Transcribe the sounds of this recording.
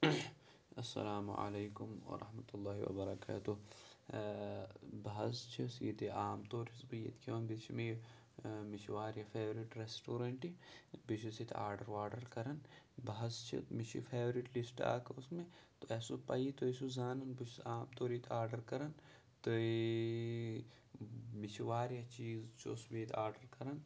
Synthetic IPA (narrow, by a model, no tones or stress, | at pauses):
ɐsːɐ̰laːmṵa̰leːkʊmɐ̰ɾɐ̰hmɐt̪ulːaːɦḭwɐ̰bɐɾɐka̰ːt̪u | bɐɦɐst͡ʃʰisḭt̪iaːmt̪oːɾisbɐjɐ̰t̪kʰiʋɐnbit͡ʃʰime | mɪʃʋaːɾjɐfʰeːʋɾiʈɾesʈoːɾɐɳʈibit͡ʃʰisit̪ʰa̰ːɾɖɐɾʋaːɾɖɐɾkɐɾɐn | bɐɦɐst͡ʃʰḭmit͡ʃʰḭpʰeːʋɾiʈlisʈa̰ːkʰusmẽt̪oɛsopɐ̰jit̪oisuzaːnɐnbit͡ʃʰaːmt̪oːɾit̪ʰaːɾɖɐɾkɐɾɐn | t̪oi | mit͡ʃʰiʋaːɾjɐt͡ʃiːzt͡ʃʰo̰sbit̪ʰaːɾɖɐɾkɐɾɐn